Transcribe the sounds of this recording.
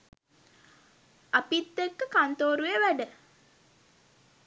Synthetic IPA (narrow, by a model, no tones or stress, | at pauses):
apit̪ːekːəkant̪oːɾujeʋæɖə